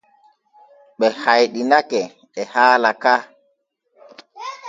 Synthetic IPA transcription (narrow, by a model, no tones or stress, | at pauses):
ɓɛhajɗinakɛ | ɛhaːlaka